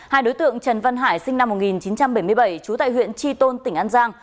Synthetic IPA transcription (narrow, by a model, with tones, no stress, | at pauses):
haː˧jɗo˨˦jt̪ɨ̰˧˨əŋt͡ɕə˨˩nva˧nɦaː˧˩jsï˧ŋna˧mːo˨˩t̚ŋi˨˩nt͡ɕi˨˦nt͡ɕa˧mɓə˧˩jmɨ˧jɓə˧˩jt͡ɕu˨˦t̪a̰ː˧˨jhwḭ˧˨ənt͡ɕi˧t̪o˧nt̪ï˧˩ŋʔaː˧nzaː˧ŋ